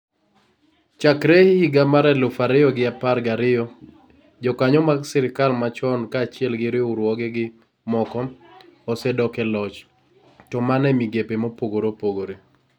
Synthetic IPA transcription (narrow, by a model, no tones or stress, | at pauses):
t͡ʃakɾehihiɡamaɾɛlʊfaɾɪjɔɡɪapaɾɡaɾɪjɔ | d͡ʒɔkaɲɔmaɡsɛɾɪkalmat͡ʃɔnkaːt͡ʃɪɛlɡɪɾɪʊɾwɔɡɛɡɪ | mɔkɔɔsɛdɔkɛlɔt͡ʃ | tɔmanɛmiɡepemopoɡoɾopoɡoɾe